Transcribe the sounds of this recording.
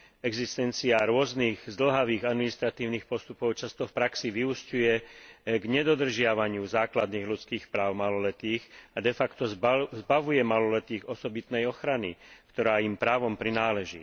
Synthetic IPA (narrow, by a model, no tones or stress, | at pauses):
ɛɡzist̪ɛnt͡siaɾʊɔzniːɣzd̪l̩ɦaʋiːɣad̪minist̪ɾat̪iːʊniːxpɔst̪upɔʊt͡ʃast̪ɔfpɾaksiʋiuscujɛɡɲɛd̪ɔd̪r̩ʒɪaʋaɲɪuzaːklad̪niːɣlut͡skiːxpɾaːʊmalɔlɛt̪iːxad̪ɛfakt̪ɔzzbaʋujɛmalɔlɛt̪iːɣɔsɔbit̪nɛjɔxɾanikt̪ɔɾaːimpɾaːʋɔmpɾinaːlɛʒḭː